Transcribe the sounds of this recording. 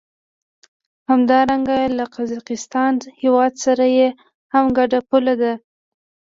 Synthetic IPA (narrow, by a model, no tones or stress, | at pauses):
hamd̪ɑɾaŋɡalaqazɑqɪst̪ɑnhewɑd̪saɾaje | hamɡaɖapulad̪a